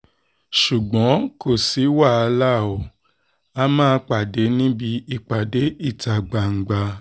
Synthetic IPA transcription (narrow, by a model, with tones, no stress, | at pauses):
ʃu˨ɡ͡bɔ̃˨˦ko˦˨si˨˦wa˦˨a˧la˦˨o˨ | a˧mãː˦˧k͡pa˨de˨˦nĩ˦bi˧i˧˨k͡pa˨de˨˦i˦˨ta˨ɡ͡ba˨ŋ̩˨ɡ͡ba˧